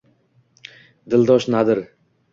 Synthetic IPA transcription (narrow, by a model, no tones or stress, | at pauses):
d̪ɪld̪ɒʃnad̪ɪɾ